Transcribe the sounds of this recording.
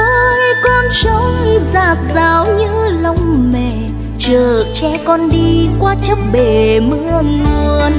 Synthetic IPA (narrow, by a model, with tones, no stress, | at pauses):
ə˧˨˧kɔ˧nsə˨˦wɲi˧zaː˨˩t̚zaː˨˩wɲɨ̰˧˥lə˧wŋ͡mmɛ˨˩ | t͡ɕəː˨˩t͡ɕɛ˧˦kɔ˧nɗi˧kwaː˧t͡ɕə˦˥p̚ɓe˧˩mɨ˧əlu˧əən